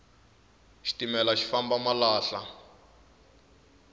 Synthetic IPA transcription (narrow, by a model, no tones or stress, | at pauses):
ʃi̥timɛlaʃi̥fambamalaːɬa